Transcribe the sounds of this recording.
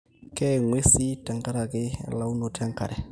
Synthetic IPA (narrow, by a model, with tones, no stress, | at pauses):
kʼɛ˦ŋwe˦si˦tʼa˨ŋka˦ɾa˨kʼɪ˦la˨u˦no˨tʰa˦ŋ˦kʰa̰˨ɾɛ˨